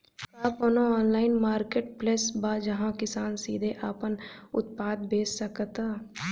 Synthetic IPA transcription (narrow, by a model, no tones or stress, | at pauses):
aːponoɔːnlaːɪnmaːɾkeːʈplesbad͡ʒɐɦãkɪsaːnsiːd̪ʱeʔaːpənʊ̰t̪̚paːd̪̚beːsːɐkt̪aː